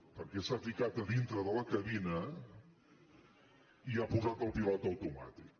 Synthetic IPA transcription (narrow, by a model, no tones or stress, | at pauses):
pəɾkɛsafikat̪əðint̪ɾəðələkəβinə | iapuzat̪əlˠpilɔt̪əwt̪uma̰t̪ik̚